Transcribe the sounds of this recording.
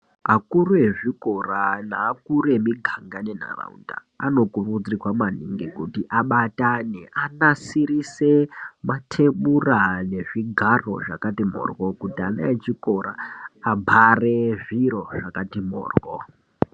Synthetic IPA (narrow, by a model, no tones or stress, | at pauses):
ɦakuɾue̞ʐiko̞ranaːkuɾue̞miɡʱaŋɡane̞na̰ra̰ṵnda̰ | ano̞kurud͡zrikwamaniŋɡikutiʔaɓataneʔanasiɾisematʰe̞ɓurane̞ʐiɡʱaro̞̰ʐa̰katim̤o̰rɡokutia̰naet͡ʃiko̞ɾaːbʱareʐiɾo̞ʐakatimo̰ːrɡo